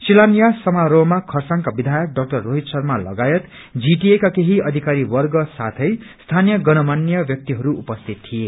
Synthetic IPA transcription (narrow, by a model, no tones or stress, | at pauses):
silanijasʌmaɾobmakʰʌrsaŋkabid̪ʱajʌk̚ɖʌk̚ʈʌrːoɦit̪sʌrmalʌ̰ɡajʌt̪ | d͡ziʈiekakeɦiʌd̪ʱikaɾiwʌrɡʌsat̪ʰʌjst̪ʰanijʌɡʌnʌmanːijʌbjʌk̚t̪iɦʌɾuupʌst̪ʰit̪tʰːije